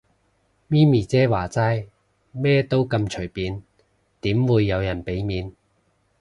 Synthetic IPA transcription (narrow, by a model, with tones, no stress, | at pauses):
miː˥miː˨˩t͡sɛː˥waː˨˩t͡saː˥j | mɛː˥t̪o˥wkɐ˧mt͡ʃʰɵ˨˩jpiː˨˧n | t̪iː˨˥mwuː˨˧jːɐ˨˧wjɐ˨˩npe˨˥jmiː˨˧n